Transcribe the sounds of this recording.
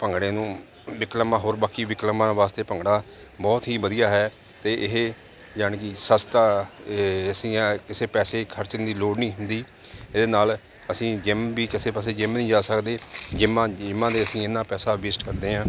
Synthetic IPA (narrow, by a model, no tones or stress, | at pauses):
pəŋɡɽẽːnũː | ʋɪkləmãːɦoːɾbaːkiːʋɪkləmãːʋaːst̪eːpəŋɡɽaː | bɔːt̪ɦiːbəd̪ijaːɦɛː | t̪eːʔɪɦeː | d͡ʒaːɳkɪsəst̪aː | əsĩːkɪseːpɛːseːkʰəɾt͡ʃənd̪iːloːɽnĩːɦʊ̃nd̪iː | ɪd̪eːnaːl | əsĩːd͡ʒɪmbiːkɪseːpəːseːd͡ʒɪmnĩːd͡ʒaːsəkd̪eːd͡ʒɪmãːɪmːãːd̪eːəsĩːɪnːãːpɛːsaːʋɪːsʈkəɾd̪eːɦãː